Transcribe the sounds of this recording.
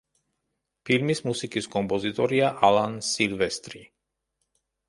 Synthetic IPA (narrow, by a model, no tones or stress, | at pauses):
filmismusikiskɔmpɔzit̪ɔɾiaʔalansilʋɛst̪ɾi